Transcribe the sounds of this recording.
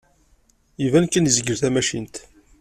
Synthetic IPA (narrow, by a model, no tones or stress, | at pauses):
ivænkːənzəɡəɾθæmæʃint̪